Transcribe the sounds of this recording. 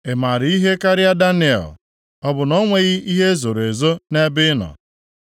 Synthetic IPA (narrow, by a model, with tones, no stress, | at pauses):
e˨ma˨ɾi˦ɦe˦ka˦ɾɪ˦a˦da˦nɪ˦ḛ˨l | ɔ˦bʊ˨nɔ˦ŋʷe˦ɣɪ˦i˦ɦe˦zo˨ɾe˨zo˦ne˦bɪ˦nɔ̰˨